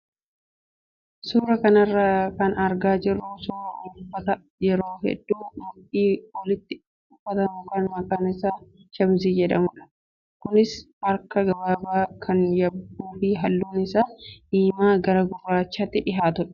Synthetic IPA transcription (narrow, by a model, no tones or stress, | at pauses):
suːɾɐkɐnɐrːakɐnɐɾɡaːd͡ʒɪrːusuɾɐʔʊfːɐt̪ɐ | jɛɾoːɦɛ̰d̪ːuːmʊʔiːwɔlɪt̪ːɪ | ʊfɐt̪ɐmɐkɐnmɐkaːnɪsaːʃɐms̬iːd͡ʒɛᶑɐmʊᶑɐ̥ | kʊnɪs | ɐɾkɐɡɐbaːbaːkʰɐnjɐbuːfiːɦɐlːuːnɪsaːʔiːmaːɡɐɾɐɡʊrːaːt͡ʃːaːt̪ːɪᶑɪɦaːt̪ʊᶑɐ̥